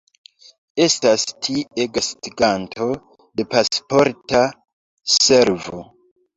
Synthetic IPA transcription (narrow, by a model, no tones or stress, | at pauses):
e̞stastʰieɡastiɡantʰo̞ | de̞paspo̞ɾta | se̞ɾvo